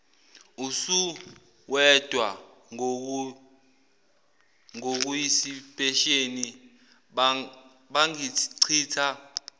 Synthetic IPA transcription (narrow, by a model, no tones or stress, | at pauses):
usu | wɛd̥ʱwa | ŋok̬ujisipʰʼɛʃeni | ɓaŋiǀʰiːtʰa